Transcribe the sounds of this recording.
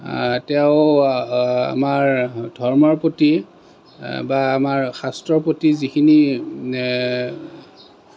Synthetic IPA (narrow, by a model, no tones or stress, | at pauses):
tɛʊ | a̰maɹdʱɔɹmɔɹpoti | baːmaɹxastɹɔpotizikʰini